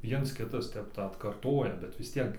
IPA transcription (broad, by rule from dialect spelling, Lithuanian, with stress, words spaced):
ˈʋʲiɛns ˈkʲɪtɐs ˈtʲɛp ˈtɑː ɐtkɐrˈtoːjɛ bʲɛt ʋʲɪs ˈtʲiɛk